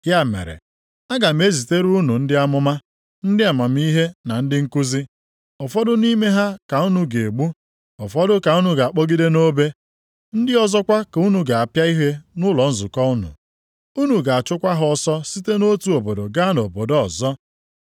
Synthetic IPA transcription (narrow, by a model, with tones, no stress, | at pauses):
ja˦mḛ˨ɾḛ˨ | a˦ɡa˨m̩˦e˦zi˨te˦ɾu˦nu˨n̩˦dɪ˦a˦mʊ˦ma˦ | n̩˦dɪ˦a˨ma˨m˦i˦ɦe˦na˨n̩˦dɪ˦ŋ̩˦ku˦zi˦ | ɔ˨fɔ˦dʊ˦ni˦me˦ɦa˦ka˨u˦nu˨ɡe˨ɡ͡bu˦ | ɔ˨fɔ˦dʊ˦ka˨u˦nu˨ɡa˨a˨k͡po˦ɡi˦de˦no˦be˦ | n̩˦dɪ˦ɔ˦zɔ˦kʷa˦ka˨u˦nu˨ɡa˨a˨pja˦i˦ɦe˦nʊ˦lɔ˨n̩˦zʊ˨kɔ˦u˦nṵ˨ | u˦nu˨ɡa˨a˨t͡ʃʊ˦kʷa˦ɦʊ˦ɔ˦sɔ˦si˦te˦no˦tu˨o˨bo˨do˨ɡa˦no˨bo˨dɔ˦ɔ˨zɔ˦